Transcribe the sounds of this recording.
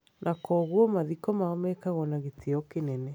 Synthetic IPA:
nʔakɔɣwɔmaðikɔmaɔmɛkaɣɔnaɣetiɔkenɛnɛ

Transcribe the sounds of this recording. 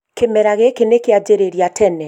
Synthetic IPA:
kemɛɾaɣekenekead͡ʒeɾeɾjatʰɛnɛ

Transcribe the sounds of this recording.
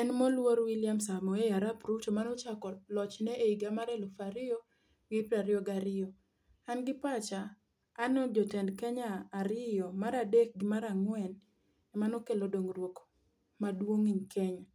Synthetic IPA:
ɛnmɔlwoɾwiljamsamɔejaɾapɾut͡ʃomanɔt͡ʃakɔlɔt͡ʃnɛʔeiɡamaɾɛlofaɾɪjɔ | wipaɾɪɔɡaɾɪɔ | anɡɪpat͡ʃaː | nɔd͡ʒɔtɛndkaɲaːɾɪjɔmaɾadek̚ɡɪmaɾaŋwɛn | ɛmanɔkelodoŋrwok | madwoŋiɲkʰɛɲa

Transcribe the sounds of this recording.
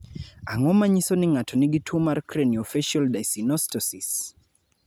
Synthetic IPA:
aŋɔmaɲisɔniŋatʰɔniɡitʰumaɾkɾɛniɔfiʃaldajsinɔstɔsis

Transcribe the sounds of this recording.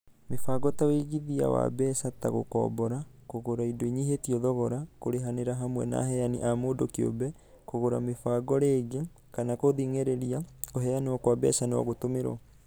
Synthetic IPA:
mefaɡɔtaweɣiðia̰wa̰bɛːsata̰ɣo̰kɔ̰ːbɔɾa | koɣoɾaidoiɲiɦetiɔðɔɣɔɾakoɾeɦaneɾaɦamwɛ̰na̰ɦɛjanḭʔamoːdokeo̰bɛ | koɣoɾamefaːɡɔɾeːɣe | kanakoðiŋeɾeɾiakoɦɛanewakwabɛ̰sanewɔ̰ɣotomeɾwa̰

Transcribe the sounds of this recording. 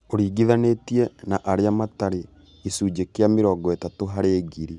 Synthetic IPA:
oɾiːɡiðanetiɛnaʔaɾeamataɾe | isuːd͡ʒekeameɾɔːɡɔetatoɦaɾeːɡiɾi

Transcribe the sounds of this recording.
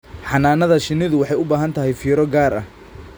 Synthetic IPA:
ħɑnaːnɐðɐʃɪnɪðʊwɑħɑjʊbaːɦɐnt̪ʰɐɦɛjfiːɾɔɡaːɾɐ̰h

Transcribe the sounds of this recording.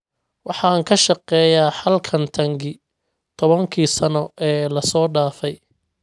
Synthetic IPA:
wɑħɑːŋkʰɐʃɑqɛːjaːħɐlkʰɐnt̪ʰɐŋɡɪ | t̪ʰɔβɐŋkʰiːsɐnɔʔɛːlɐsɔːɖaːfɛj

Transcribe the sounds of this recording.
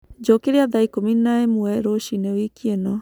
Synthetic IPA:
d͡ʒokeɾeaðaikominaemuɛɾoʃinewikienɔ

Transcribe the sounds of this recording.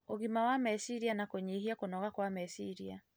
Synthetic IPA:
oɣimawamɛsiɾianakoɲiɦiakonɔɣakwamɛsiɾia̰

